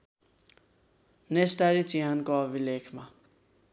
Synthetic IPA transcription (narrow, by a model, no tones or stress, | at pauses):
nesʈaɾit͡siɦankoʌbʱilekʰma